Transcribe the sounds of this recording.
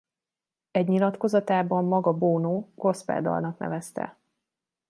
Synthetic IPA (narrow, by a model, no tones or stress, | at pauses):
ɛɟɲilɒt̪ko̞zɒt̪aːbɒmːɒɡɒboːnoːɡo̞spɛ̰ːd̪ɒ̰lnɒknɛ̰vɛst̪ɛ̰